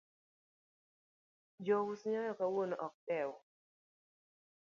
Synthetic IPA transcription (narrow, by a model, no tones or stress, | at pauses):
d͡ʒowʊsɲɔjɔkawonɔʔɔk̚tɛwɔ